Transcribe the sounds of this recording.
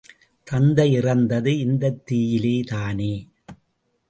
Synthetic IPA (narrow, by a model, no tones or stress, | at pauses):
t̪ɐnd̪ɐɪɪrɐnd̪ɐðɯɪnd̪ɐt̪ːiːjɪleːt̪aːneː